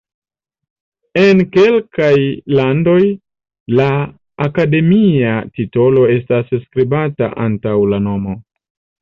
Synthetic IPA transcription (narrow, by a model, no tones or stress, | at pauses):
e̞nke̞lkajlando̞j | laː | kade̞miatito̞lo̞e̞stasskɾibata̰ʔantawlano̞mo̞